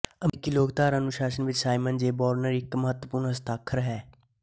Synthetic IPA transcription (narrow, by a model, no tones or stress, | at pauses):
əkːiloːɡt̪aːɾənʊʃaːʃənʋɪt͡ʃsaːɪmənd͡ʒeːbɔːɾnəɾɪkməɦət̪wəpʊːɾnɦɐst̪aːkʰːəɾɦɛː